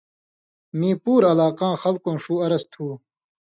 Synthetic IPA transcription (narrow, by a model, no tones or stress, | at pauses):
mĩːpuːɾɐlaːqãːxɐlkõːʂuːɐɾɐst̪ʰuː